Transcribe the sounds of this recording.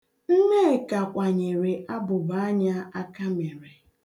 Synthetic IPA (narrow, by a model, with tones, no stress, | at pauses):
n̩˦ne˦˨ka˨kʷa˨ɲe˨ɾe˨ʔa˦bʊ˨ba˨˦a˦ɲa˦a˦ka˦me˨ɾe˨